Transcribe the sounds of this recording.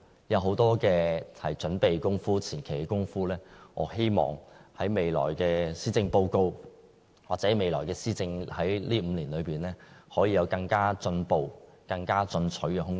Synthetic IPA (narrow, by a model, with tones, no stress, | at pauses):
jɐ˨˧wɦo˨˥wt̪ɔː˥kɛː˧hɐ˨jt͡ʃɵ˨˥npe˨jkʊ˥ŋfuː˥t͡sʰiː˨˩nkʰe˨˩jkɛ˧kʊ˥ŋfuː˥lɛː˥ŋɔː˨˧he˥jmɔ̰ː˨˩ŋhɐ˨˥jme˨˧jlɔ̰ː˨˩jkɛː˧siː˥t͡sɪ˧ŋpo˧wko˧w | waː˨t̚t͡sɛː˨˥me˨˧jlɔː˨˩jkɛː˧siː˥t͡sɪ˧ŋhɐ˨˥jliː˥m̩ː˨˧liː˨˩nlɵ˨˧ɥpiː˨˩nlɛː˥hɔː˨˥jiː˧jɐ˨˧wkɐ˧ŋkaː˥t͡sɵ˧npo˧wkɐ˧ŋkaː˥t͡sɵ˧nt͡sʰɵ˨˥kɛː˧ɦʊ˥ŋ